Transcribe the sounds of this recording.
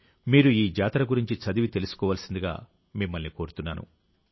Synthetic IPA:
miːɾuiːd͡ʒaːt̪ɐɾɐɡuɾiɲt͡ʃit͡ʃɐd̪iʋit̪e̞lusu̥kɔːʋaːlsind̪iɡa̰ː | mimːɐlniko̞ːɾut̪unːaːnṵ

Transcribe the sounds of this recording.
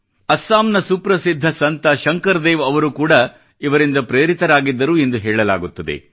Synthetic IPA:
ɐsːaːmnɐsuːpɾɐsid̪ʱːɐsɐnt̪ɐʃɐŋkɐɾd̪eːʋɐʋɐɾukuːɽɐ | iʋɐɾind̪ɐpɾeːɾit̪ɐɾaːɡid̪ːɐɾuːe̞nd̪uɦɛːɭɐla̰ːɡut̪ːɐd̪e̞̰

